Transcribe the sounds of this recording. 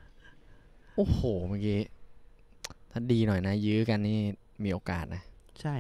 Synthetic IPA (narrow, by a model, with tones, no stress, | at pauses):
ʔoː˨˩hoː˨˩maː˨˧˩kiː˧ | t̪ʰaː˥˩diː˧nɔ˨˩jna˦˥jɯː˦˥ka˧nːiː˥˩ | miː˧ʔoː˧ka̰ː˨˩t̪̚na˦˥t͡ɕʰa˥˩